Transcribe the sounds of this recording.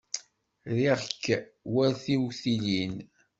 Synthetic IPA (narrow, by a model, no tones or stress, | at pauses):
ɾiʁkːwæɾθiwθilin